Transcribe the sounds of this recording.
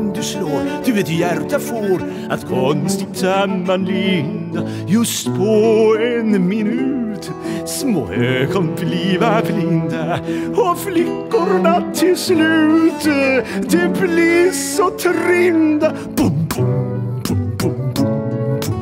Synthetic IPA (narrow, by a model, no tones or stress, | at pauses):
nd̪ʉsloːɾd̪̥ʉveːt̪ɪjæɾt̪afoɾ | ʔa̰t̪kʰɔnst̪ɪɡ̚t̪samːanlind̪a | jɵst̪pʰɔɛnmɪnʉːt̪ | smo̰ːøkʰɔnbliːvablɪnd̪aɔflɪkːʊɾnat̪ʰːɪlslʉːt̪d̪ɛbliɾsɔt̪ʰɾɪnd̪a | b̥bbbb